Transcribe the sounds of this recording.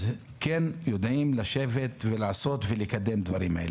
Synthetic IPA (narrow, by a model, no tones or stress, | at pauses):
z | kenjo̞d̪ʔimlaʃe̞ve̞t̪velaaso̞t̪velekad̪e̞md̪vaʁimael